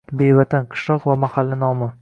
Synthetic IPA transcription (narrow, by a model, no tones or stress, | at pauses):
bejvat̪ʰanqʰɨ̥ʃlɒqvamahalːɪnɒmɪ